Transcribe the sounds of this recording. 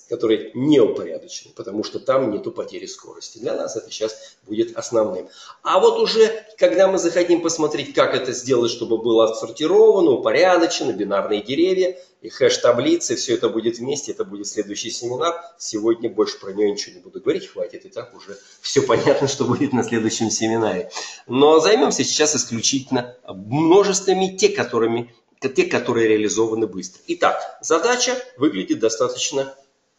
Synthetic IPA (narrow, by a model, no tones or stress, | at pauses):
kɐt̪o̞ɾɨjənʲeʊpɐɾʲa̰d̪ət͡ɕɪnɨpət̪ɐmuʂt̪o̞t̪amnʲe̞t̪ʊpɐtʲeɾʲɪsko̞̰ɾəsʲtʲɪd̪lʲɐna̰sɛt̪əɕasbudʲɪt̪ɐsnɐvnɨmavo̞t̪ʊʐɛkɐɡd̪amɨzəxɐtʲimpəsmɐt̪ɾʲetʲkakɛt̪əzʲdʲe̞lˠətʲʂt̪o̞bɨbɨlˠəɐt̪sərtʲɪɾo̞vənəʊpɐɾʲad̪ət͡ɕɪnəbʲɪnarnɨjədʲɪɾʲevʲjə | ixɛʂt̪ɐblʲit̪sɨfsʲɵɛt̪əbudʲɪt̪vmʲesʲtʲɪɛt̪əbudʲɪt̪sʲlʲe̞d̪ʊjɕːɪjsʲɪmʲɪnarsʲɪvo̞dʲnʲəbo̞lʲʂɨ̥pɾənʲɪjonʲɪt͡ɕɪvonʲɪbud̪ʊɡəvɐɾʲitʲxvatʲɪt̪ɨt̪akʊʐɛ | fsʲɵpɐnʲat̪nəʂt̪o̞budʲɪt̪nɐsʲlʲe̞d̪ʊjɕːɪmsʲɪmʲɪnaɾʲɪno̞zɐjmʲo̞msʲəsʲɪ̥t͡ɕːasɪsklʲʉt͡ɕitʲɪlʲnəmno̞ʐɨst̪vəmʲɪtʲekɐt̪oɾɨmʲɪ | tʲekːɐt̪o̞ɾɨjəɾʲɪəlʲɪzo̞vənɨbɨst̪ɾəɪt̪akzɐd̪at͡ɕəvɨɡlʲɪdʲɪt̪̚d̪ɐst̪at̪ət͡ɕnə